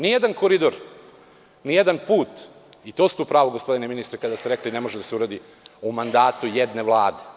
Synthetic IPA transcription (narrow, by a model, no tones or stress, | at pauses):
nijed̪ankoɾid̪oɾ | nijed̪anpuːt̪ | it̪oːsu̥t̪uːpɾaːʋoɡospo̞d̪ineminist̪ɾekad̪ast̪eɾeklinemoʒed̪aseuɾad̪i | umand̪aːt̪ujed̪ne̞ʋlˠaːd̪e